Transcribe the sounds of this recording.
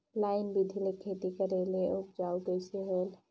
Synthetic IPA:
laɪnbid̪ʱilekʰet̪ikəɾeleup̚d͡ʒauɡəjseɦəl

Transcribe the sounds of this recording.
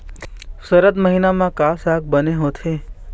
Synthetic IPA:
səɾəd̪məɦinamãkasak̚bəneɦot̪ʰe

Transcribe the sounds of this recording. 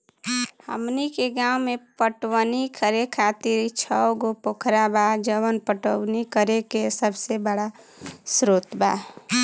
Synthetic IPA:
hə̰mnikeɡãːwmepəʈwənikʰəɾekʰat̪iɾt͡ʃʰəwɡopokʰɾabad͡ʒəwənpəʈəwnikəɾekesəbsebəɽa | sɾoːt̪ba

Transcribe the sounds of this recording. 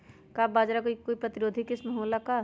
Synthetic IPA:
kaːbaːd͡ʒɾakoikoːipɾɐt̪ɪɾoːd̪ʱikɪsmɐɦoːlaka

